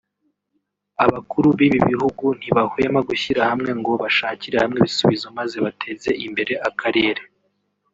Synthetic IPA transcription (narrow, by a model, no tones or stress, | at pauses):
aβakuɾuβiβiβiɦuɡun̥hiβahwe̞maɡuçiɾahamŋe̞ŋɡo̞βaʃaːciɾehamŋe̞βisuβizomaze̞βatʰe̞ze̞ʔimbe̞ɾe̞ʔakʰaɾe̞ːɾe̞